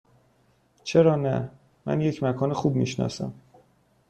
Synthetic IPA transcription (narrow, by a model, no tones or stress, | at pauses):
t͡ʃʰe̞ɾɒːnæ | mæ̰nje̞cʰmækʰɒːnexuːb̚mḭːʃnɒ̰ːsæ̰m